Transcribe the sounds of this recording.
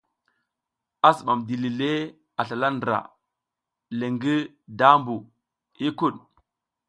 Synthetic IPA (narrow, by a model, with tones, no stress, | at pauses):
a˦si˨ɓa˨mdi˨li˨le˦ | a˨ɬa˨la˦ndɾa̰˨ | le˨ŋɡi˦ | da˦mbu˨ | i˦ku˦˨ɗ